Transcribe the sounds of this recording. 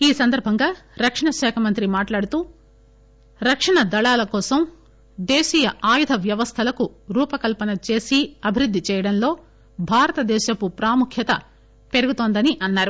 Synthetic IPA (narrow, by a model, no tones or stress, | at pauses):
iːsɐnd̪ɐɾbʱɐŋɡaːɾɐkʂɐɳɐʃɛːkʰɐmɐnt̪ɾimaːʈlaːɽut̪uː | ɾɐkʂɐɳɐd̪ɐɭaːlɐkɔːsɐm | d̪eːʃiːjɐaːjud̪ʱɐʋjɐʋɐst̪ʰɐlɐkuɾuːpɐkɐlpɐnɐt͡ʃe̞ːsiɐbʱiɾud̪ʱːit͡ʃɛːjɐɽɐnlo̞ː | bʱaːɾɐt̪ɐd̪ɛːʃɐkupɾaːmukʰjɐt̪ɐ | pe̞ɾuɡut̪oːnd̪ɐniʔɐnːaːɾu